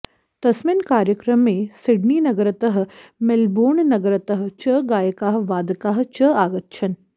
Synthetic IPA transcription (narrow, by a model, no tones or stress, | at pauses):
t̪ɐsminkaːɾjəkɾəmːẽːsɪɖniːnɐɡəɾɐt̪ɐɦmelboːɳnɐɡəɾɐt̪ɐɦt͡ʃɐɡaːjəkaːɦʋaːd̪kaːɦt͡ʃɐaːɡɐt̪̚t͡ʃʰɐn